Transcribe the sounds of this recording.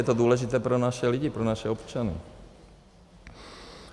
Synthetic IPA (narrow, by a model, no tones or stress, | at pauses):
ɛt̪oduːlɛʒɪt̪ɛːpɾo̞naʃɛlɪɟɪpɾonaʃɛopt͡ʃanɪ̰